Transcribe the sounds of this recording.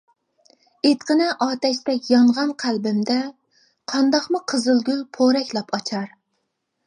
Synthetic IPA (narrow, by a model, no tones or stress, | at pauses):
et̪qənɛʔɑːt̪ɛʃt̪ɛkjɑɴʁɑnqʰælbɪmd̪ɛ | qʰɑnd̪ɑqmʊqʰəzɨlˠɡʲylpʰoɾɛkʲlˠɑpʰɑt͡ʃʰɑɾ